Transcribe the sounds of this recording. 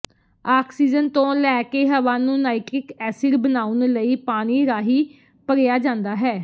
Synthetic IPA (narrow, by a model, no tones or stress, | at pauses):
aːksiːd͡ʒənt̪õːlɛːkeːɦəʋaːnũːnaːɪkɾɪkɛːsɪɾbənaːʊnləiːpaːñiːɾaːɦiː | pəɾjaːd͡ʒãːnd̪aːɦɛː